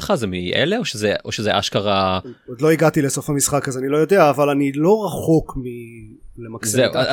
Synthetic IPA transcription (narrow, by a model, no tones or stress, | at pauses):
χazemiʔḛleoʃezeʔo̞ʃezeʔaʃkaʁaod̪lo̞iɡatileso̞fhamisχakazanilo̞jo̞deaːvalanilo̞ʁaχo̞kmile̞makszeu